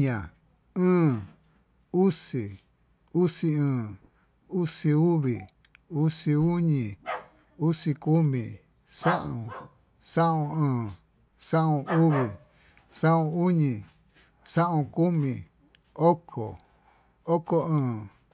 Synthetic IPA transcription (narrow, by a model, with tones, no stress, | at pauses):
ɲã˨ | ɨ̃ː˦˨ | u˦si˨ | u˦si˧ɨ̃ː˧˨ | u˦si˧u˦βi˨ | u˦si˧u˦ɲĩ˧˨ | u˦si˧ku˦mĩ˧˨ | sã˦ʔõ˨ | sã˦ʔõ˧ɨ̃ː˧˨ | sã˦ʔũ˧u˦βi˨ | sã˦ʔũ˧u˦ɲĩ˧ | sã˦ʔũ˧ku˦mĩ˧ | o˦kʰo̰˨ | o˦ko˧ɨ̃ː˧˨